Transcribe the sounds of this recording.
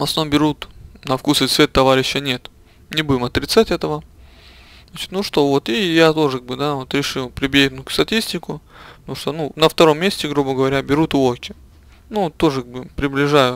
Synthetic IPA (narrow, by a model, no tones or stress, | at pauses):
mɐsnombʲɪɾut̪nɐfkusət̪svʲe̞t̪ːɐvaɾʲɪɕːənʲe̞t̪ | nʲɪbudʲɪmɐt̪ɾʲɪt̪satʲɛt̪əvə | at͡ɕɪ̥t̪nuʂt̪o̞vo̞t̪ijat̪o̞ʐɨkaɡ̚bɨd̪avo̞t̪ɾʲɪʂɨlˠpɾʲɪbʲenʊkst̪ɐtʲisʲtʲɪkʊnuʂt̪onunəft̪ɐɾo̞mːʲesʲtʲɪɡɾubəɡəvɐɾʲabʲɪɾut̪ʊokʲɪ | nut̪o̞ʐɨkaɡbɨpɾʲɪblʲɪʐajʊ